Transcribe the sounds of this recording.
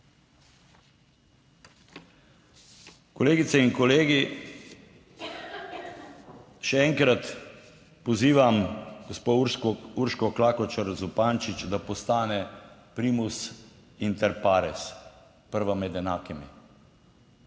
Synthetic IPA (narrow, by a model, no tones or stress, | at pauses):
kɔleːɡit̪sɛiŋkɔleːɡi | ʃɛɛŋkɾat̪ | pɔziːʋamɡospouɾʃkɔklaːkɔt͡ʃaɾzupaːnt͡ʃit͡ʃd̪apɔst̪aːnɛpɾiːmus | int̪ɛɾpaːɾɛs | pəɾʋamɛd̪ɛnaːkimi